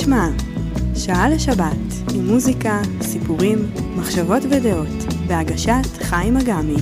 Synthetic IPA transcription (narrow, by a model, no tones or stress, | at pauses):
ma | ʃaaleʃabat | imːuzikasipuʁimːaχʃavo̞tvedeo̞tveaɡaʃatχajmaɡami